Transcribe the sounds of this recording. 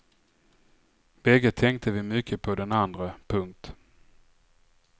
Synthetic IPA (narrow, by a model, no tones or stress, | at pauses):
b̥ɛɡːət̪ʰːɛŋk̚t̪ʰəvɪmʏkʰːəpʰɔd̪ɛnand̪ɾəpʰɵŋk̚t̪